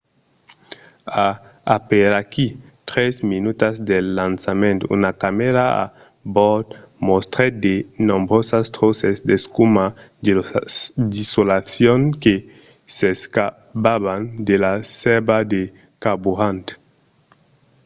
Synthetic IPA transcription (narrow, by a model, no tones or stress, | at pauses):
aːpeɾaki | t̪ɾesminut̪azd̪elːansamẽnt̪oṵnakameɾaa̰ | bɔt̪most̪ɾed̪enõmbɾosast̪ɾosesd̪eskuma | d̪isolaθjoŋke | seska | paβand̪elasebad̪e | kabuant̪